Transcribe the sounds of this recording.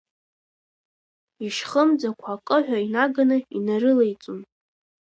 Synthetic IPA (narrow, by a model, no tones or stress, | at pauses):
iʂχəmd͡zakʷʰakʼɨħʷᶣainaɡanɨḭnaɾɨlejt͡sʼun